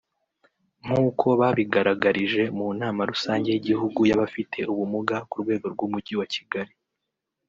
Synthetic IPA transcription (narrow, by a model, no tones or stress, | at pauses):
ŋ̥huːkʰo̞βaːβiɡaɾaɡaɾiʒe̞munaːmaɾusaːɲɟe̞jiɟihuɡujaβafitʰe̞ʔuβumuɡakuɾɡwe̞ːɡo̞ɾɡumuɟiwaci̥ɡaɾi